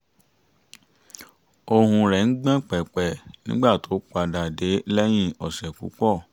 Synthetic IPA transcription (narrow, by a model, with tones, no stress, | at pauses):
o˧hũ˧ɾɛ˨ŋ̩˦ɡ͡bã˦k͡pɛ˨k͡pɛ˨nĩ˦ɡ͡ba˦˨tʰo˨˦k͡pa˧da˨de˨˦lɛ˦j̃ĩ˦ɔ˨sɛ˨kṵ˨˦k͡pɔ˦˨